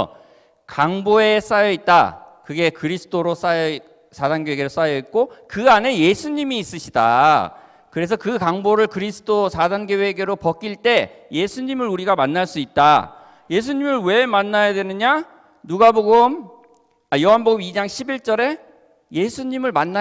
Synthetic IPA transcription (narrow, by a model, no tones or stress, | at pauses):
kaŋboe̞s͈ajʌit̚t͈a̰kɯɡe̞kɯɾisʰɯ̥tʰoɾos͈ajʌ | sʰadanɡoeɡeɾos͈ajʌik̚k͈okɯane̞je̞sʰuɲimiːs͈ɯɕʰida̰ | kɯɾe̞s̬ʰʌkɯkaŋboɾɯɭkɯɾisʰɯ̥tʰosʰadanɡjoweɡeɾopʌk͈iɭt͈e̞je̞sʰuɲimɯɾuɾiɡamanːaɭs͈uit̚t͈a | je̞sʰuɲimɯɭwe̞manːajadwe̞nɯɲa | nuɡaboɡɯm | ajoɦanboɡumid͡ʑaŋɕʰibiɭt͡ɕ͈ʌɾe̞ | je̞sʰuɲimɯɭmanːa